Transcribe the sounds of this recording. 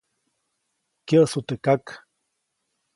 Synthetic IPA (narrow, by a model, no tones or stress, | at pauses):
keʔsut̪ekak